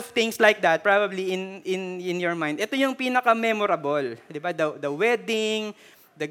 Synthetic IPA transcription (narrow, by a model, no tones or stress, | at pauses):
ft̪ɪ̃ŋslajk̚d̪ɐt̪̚pɹabɐbliɪnɪnɪ̃njɔɹmãj̃nd̪ʔɛt̪o̞jʊŋpiːnɐkɐmɛmɔɾɐbold̪ɪbad̪ɐd̪ɐwɛd̪ɪŋ | d̪ɐ